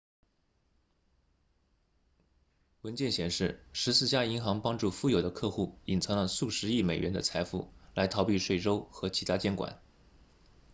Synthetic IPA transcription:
wə˧˥nt͡ɕjɛ˥˩nɕjɛ˨˩nʂɻ̩˥˩ʂɻ̩˧˥sɹ̩˥˩t͡ɕja˥i˧˥xɑ˧˥ŋpɑ˥ŋʈ͡ʂu˥˧fu˥˧jo˨˩ʊd̪ə˦kʰɤ˥˧xu˥˩i˨˩nt͡sʰɤ˧˥ŋlə˧su˥˩ʂɻ̩˧˥i˥˩me˨˩ɪɥɛ̰˧˥nd̪ə̰˧t͡sʰa˧˥ɪfṵ˥˩la˧˥ɪt̪ʰɑ˧˥ʊpi˥˧ʂwe˥˩ɪʈ͡ʂo˥ʊxɤ˧˥t͡ɕʰi˧˥a˥t͡ɕjɛ˥nkwa̰˨˩˦n

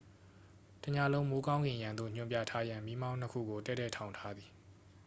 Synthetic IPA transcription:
tə˨ɲa˨lõ˦ʊ̃mo˦kã˦ŋɡɪ̃˨jã˨nd̪o̰˦˨ɲ̥ʊ̃˨mpja̰˦˨tʰa˦jã˨mi˦mã˦n̥ə˦kʰṵ˦˨ɡo˨tɛ˦˨tːɛ̰˦˨tʰã˨ʊ̃ntʰa˦d̪ði˨

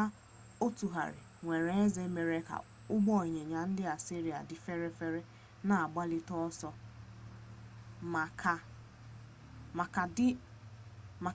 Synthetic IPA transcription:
a˦ | o˦tu˨ɦa̰˨ɾɪ̰˨ŋʷe˨ɾe˨e˦ze˦me˨ɾe˦ka̰˨ | ʊ˦ɡ͡bɔ˦˨ɲe˨ɲa˨n̩˦dɪ˦a˨si˦ɾi˨a̰˨dɪ˨fe˦ɾe˦fe˦ɾe˦ | na˨a˨ɡ͡ba˦lɪ˦tɔ˦ɔ˦sɔ˦ | a˨k | kɪ˦ | ma˨

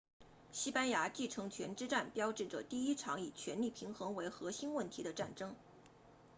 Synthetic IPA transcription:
ɕi˥pa˥nja˧˥t͡ɕi˥˩ʈ͡ʂʰɤ˧˥ŋt͡ɕʰɥɛ˧˥nʈ͡ʂɻ̩˥ʈ͡ʂa˥˩npjɑ˥ʊʈ͡ʂɻ̩˥˩ʈ͡ʂə˨˩t̪i˥˩i˥ʈ͡ʂʰɑ˧˥ŋi˨˩t͡ɕʰɥɛ˧˥nli˥˩pʰi˧˥ŋxɤ˧˥ŋwe˧˥ɪxɤ˧˥ɕi˥nwə˥˩nt̪ʰi˧˥d̪ə˧ʈ͡ʂa˥˩nʈ͡ʂɤ˥ŋ

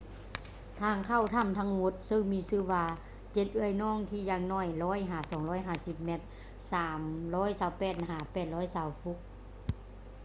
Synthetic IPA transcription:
t̪ʰaː˧˩ŋkʰa˧˩wt̪ʰa˧˥˩mt̪ʰa˧˥ŋmo˧˥t̪̚sɤ˧˩ŋmiː˧˥˨sɯː˧˥˩waː˧ | t͡ɕe˧t̪̚ʔɯ˧˩ə˨jnɔː˧˥˨ŋt̪ʰiː˧˩jaː˧˩ŋnɔː˧˩jlɔː˦˥˨jɦaː˧˩sɔː˨˩˦ŋlɔː˧˥˨jɦaː˧˩si˧p̚me˧˥t̪̚ | saː˨˦mlɔː˦˥˨jsaː˨˩wpɛː˧˩t̪̚ɦaː˨˩pɛː˧˩t̪̚lɔː˧˥jsaː˨˧˦wfu˧˥k̚

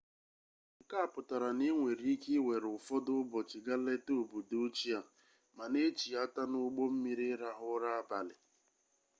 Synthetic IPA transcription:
ŋ̩˨ka˦a˨pʊ˨ta˨ɾa˨ni˦ŋʷe˨ɾi˦ki˦we˨ɾʊ˨fɔ˦dʊ˦bɔ˨t͡ʃi˨ɡa˦le˦to˦˨bu˨do˦t͡ʃi˦a˨ | ma˨ne˦t͡ʃi˨a˦ta˦nʊ˦ɡ͡bo˦m̩˦mi˦ɾi˦ɾa˦ɦʊ˦ɾa˦a˦ba˨lɪ˨

